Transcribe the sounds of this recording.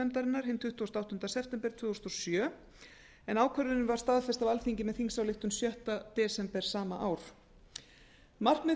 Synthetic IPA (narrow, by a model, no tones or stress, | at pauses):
ɛnt̪aɾɪnːaɾ̥hɪnt̪ʰʏht̪uɔst̪awt̪ʏnt̪asɛpt̪ɛmpɛɾ̥t̪ʰvʏːðɔst̪ɔsjœː | ɛnaːwkʰœɾðʏnʏmvaɾ̥st̪aðfɛst̪avalθiɲcɪmɛðθiŋsawlɪht̪ʏmsjœht̪at̪ɛːsɛmpɛɾ̥saːmaʔaːwɾ̥ | mar̥kmɛ